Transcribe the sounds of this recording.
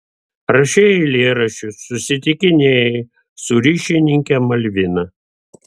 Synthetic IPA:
ɾɐʃʲeɛɪlʲeːɾɐʃʲʊsːʊsʲɪt̪ʲɪkʲɪnʲeːje | sʊɾʲiːʃʲɪnʲɪŋʲkʲɛmɐlʲʋʲɪnɐ

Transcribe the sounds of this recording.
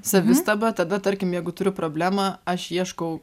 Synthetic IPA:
sɐʋʲɪst̪ɐbɐt̪ɐd̪ɐt̪ɐɾʲkʲɪmjɛɪɡʊt̪ʊɾʲʊpɾoːbʲlʲæːmɑːɐʃiɛʃkɐʊ

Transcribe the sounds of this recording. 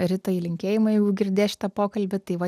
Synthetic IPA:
ɾʲɪt̪oːjilʲɪŋʲkʲeːjɪmɐjɛɪɡʊɡʲɪɾʲd̪ʲeːʃʲɪ̥t̪ɐpoːkɐlʲbʲɪt̪ɐɪʋɐ

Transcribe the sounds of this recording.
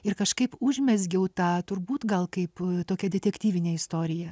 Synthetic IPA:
ɪrkɐʃkɐɪpʊʒʲmʲɛzʲɡʲɛʊt̪ɑːt̪ʊɾbuːt̪ɡɐlˠkɐɪpt̪oːkʲɛd̪ʲɛt̪ʲɛkʲt̪ʲiːʋʲɪnʲeːɪst̪oːɾʲɪjɛ

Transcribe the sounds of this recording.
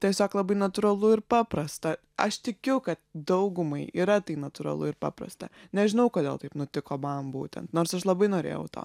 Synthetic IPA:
t̪ʲɛsʲoːklˠɐbɐɪnɐt̪ʊɾɐlˠʊɪɾpɑːpɾɐst̪ɐ | ɐʃt̪ʲɪkʲʊkɐt̪̚d̪ɐʊɡʊmɐɪiːɾɐt̪ɐɪnɐt̪ʊɾɐ̰lˠʊ̰ɪɾpɑ̰ːpɾɐ̰st̪ɐ̰nʲɛʒʲɪnɐʊkoːd̪ʲeːlˠt̪ɐɪpnʊt̪ʲɪkoːmɐmbṵːt̪ʲɛ̰nt̪noːɾsɐʃlˠɐbɐɪnoːɾʲḛːjɛʊt̪o̰ː

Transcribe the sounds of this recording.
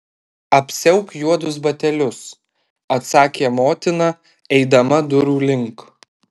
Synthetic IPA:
ɐpʲsʲɛʊkjuɔd̪ʊs̬bɐt̪ʲɛlʲʊs | ɐt̪sɑːkʲeːmoːt̪ʲɪnɑ | ɛɪd̪ɐmɐd̪ʊɾuːlʲɪŋk

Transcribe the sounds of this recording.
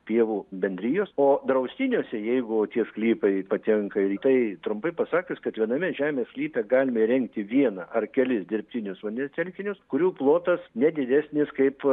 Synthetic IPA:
pʲiɛʋuːbʲɛnʲd̪ʲɾʲiːjoːsoːd̪ɾɐʊsʲt̪ʲɪnʲoːsʲɛjɛɪɡʊt̪ʲiɛsklʲiːpɐɪpɐt̪ʲɛŋkɐɪɾt̪ɐɪt̪ɾʊmpɐɪpɐsɑːkʲɪskɐt̪ʋʲiɛnɐmʲɛʒʲæːmʲeːssklʲiːpʲɛɡɑːlʲɪmɐiɾʲɛŋkt̪ʲɪʋʲiɛnɐʔɐrkʲɛlʲɪsd̪ʲɪɾʲpʲt̪ʲɪnʲʊsʋɐnʲɛsʲt̪ʲɛlʲkʲɪnʲʊskʊɾʲuːplˠoːt̪ɐsnʲɛd̪ʲɪd̪ʲæːsʲnʲɪskɐɪp

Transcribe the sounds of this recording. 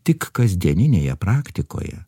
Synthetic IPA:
t̪ʲɪkkɐzʲd̪ʲiɛnʲɪnʲeːjɛpɾɑːkt̪ʲɪko̰ːjɛ̰

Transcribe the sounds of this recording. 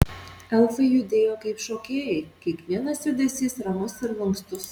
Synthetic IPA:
ɛlˠfɨjʊd̪ʲeːjoːkɐɪpʃoːkʲeːjekʲiɛkʋʲiɛnɐsjʲʊd̪ʲɛsʲiːsɾɐmʊsɪɾlˠɐŋkst̪ʊs

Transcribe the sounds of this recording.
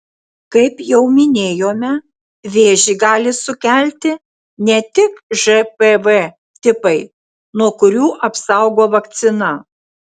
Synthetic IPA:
kɐɪpjɛʊmʲɪnʲeːjoːmʲɛ | ʋʲeːʒʲiːɡɑːlʲɪsʊkʲæˑlʲt̪ʲɪ | nʲɛt̪ʲɪkʒɛpeʋɛ | t̪ʲɪpɐɪ | nuɔkʊɾʲuːʔɐpsɑˑʊɡoːʋɐkt̪sʲɪnɐ

